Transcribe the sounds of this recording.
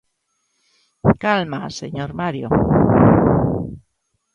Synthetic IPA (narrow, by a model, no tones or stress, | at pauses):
kalmasḛɲoɾmaɾjo̰